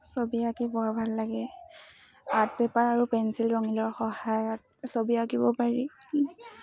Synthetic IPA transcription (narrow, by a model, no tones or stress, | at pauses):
sobiakɛbɔɹbʱalːaɡɛ | at̚bɛpaɹaɹupɛnsilɹɔŋilɔɹxɔhajɔt̚ | sobiaɡibɔpaɹi